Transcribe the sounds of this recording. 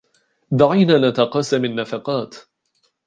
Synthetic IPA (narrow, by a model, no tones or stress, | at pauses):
d̪aʕajnaːnat̪aqɑːsamanːafɑqɑːt̪